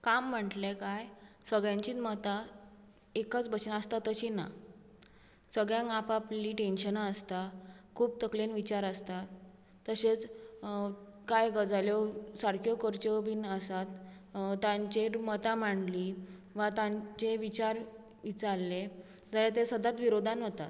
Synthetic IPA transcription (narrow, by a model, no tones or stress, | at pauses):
kamːəʈlekajsəɡɭjãɲt͡ɕiːt̪mət̪a | ekət͡sbət͡ɕnaəst̪at̪ːəɕina̰ | səɡɭjãɡapaplliːʈenɕənaəst̪akʰuːb̚t̪əklinʋit͡ɕaɾəst̪at̪ː | əɕet͡s | kajɡəd͡zaljɔsaɾkʰjɔkəɾt͡ɕəbinəsat̪ | t̪ãɲt͡ɕemət̪amaɳɖliʋat̪ãt͡ɕeʋit͡ɕaɾ | ʋit͡saɾled͡zaljat̪esəd̪at̪ʋiɾod̪ʱanɦət̪a̰t̪